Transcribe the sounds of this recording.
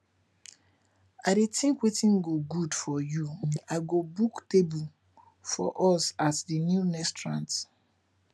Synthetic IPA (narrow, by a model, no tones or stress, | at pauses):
aɪdetĩŋkwetĩnɡoɡudfɔjuaɪɡobuktebul | fɔ̰ʔɔsatdinjunɛstɹãnt